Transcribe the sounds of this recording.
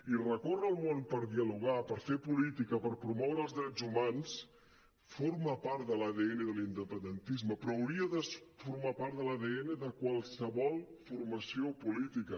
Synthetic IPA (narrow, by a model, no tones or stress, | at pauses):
irəkorəlˠmonpəɾðiəluɣ̞apəɾfepulit̪ikəpəɾpɾumɔwɾəlˠzðɾɛzumans | foɾməpaɾt̪̚ðəlaðeenəðəlind̪əpənd̪ənt̪izməpɾɔːwɾiəðəsfuɾmapaɾt̪ðəlaðeenəðəkwalˠsəβɔlˠfurməsiopulit̪ikə